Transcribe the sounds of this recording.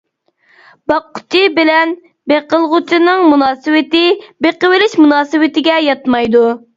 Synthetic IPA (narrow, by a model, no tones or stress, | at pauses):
b̥ɑqːʊ̥t͡ʃʰibɪlɛn | beqəlˠʁʊt͡ʃʰinɨŋmunɑːsɨwɪt̪ɪbeqəwɪlɪʃmunɑːsɨwɪt̪ɪɡʲɛjɑt̪mɑjd̪u